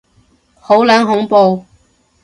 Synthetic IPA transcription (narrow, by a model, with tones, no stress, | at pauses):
ho˨˥wlaː˨˥nɦʊ˨˥ŋpo˨˧w